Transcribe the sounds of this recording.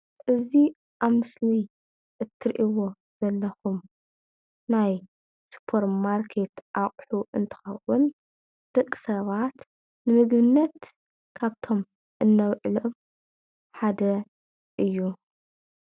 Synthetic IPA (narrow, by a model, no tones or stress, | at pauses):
ʔɨzi | ʔaβmɨsli | ʔɨt̪ʰːɨɾʔiwo̞ | z̥ɐlːɐxum | naj | spʰoɾmaɾkʰe̞t̪ʔaχʼħuʔɨnt̪ʰɨ̥xɐwʊn | d̪̥ɨkʼːɨ̥sɐβat̪ | nɨmɨɡβɨnːɐt̪ | kʰaβt̪ʰo̞m | ʔɨnːɐwʕlom | ħad̪ɐ | ʔɨjːu